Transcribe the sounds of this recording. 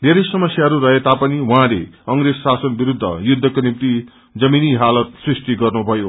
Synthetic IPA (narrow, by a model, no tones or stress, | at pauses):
d̪ʱeɾʌjsʌmʌsjaɦʌɾuɾʌɦet̪apʌniwuɦãlekʌŋrezsasʌnbiɾud̪ʱːʌ̰jud̪ʱːʌkonimt̪i | d͡zʌminiɦalʌt̪srisʈ̪iɡʌrnubʱʌjo